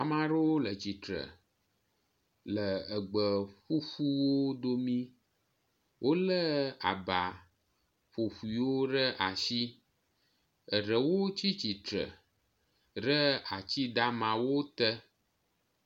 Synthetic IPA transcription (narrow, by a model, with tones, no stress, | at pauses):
a˨mã˦ɖə˦wo˦lə˨t͡ɕi˨t̪ɾə̰˨ | lə˨ə˨ɡ͡bə˨ɸu˦ɸu˦wo˦d̪o˦mĩ˦ | wʔo˦lə˦a̰˨ba˨ | ɸo˨ɸu˨i˨wo˦ɖə˦ʔa˨ʃi˦ | ə˨ɖə˨wo˦t͡ɕi˦t͡ɕi˨t̪ɾə̰˨ | ɖə˦a˨t͡ɕi˦d̪a˦mã˨wo˦t̪ə˦